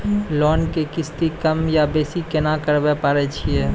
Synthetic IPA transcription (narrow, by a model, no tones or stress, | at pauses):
lɔːnkekɪst̪ikəmjabeːsikenakəɾbepaːɾet͡ʃʰiɛː